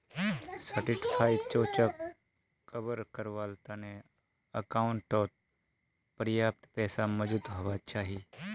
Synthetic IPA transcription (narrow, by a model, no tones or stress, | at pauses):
səʈɪʈpʰaːit͡ʃoːt͡ʃa | kəʋəɾkəɾʋaːlt̪aːnẽ | əkaːʊɳʈɔː | pəɾjaːp̚t̪pɛːsaməd͡ʒut̪ɦoːʋat͡ʃaːɦiː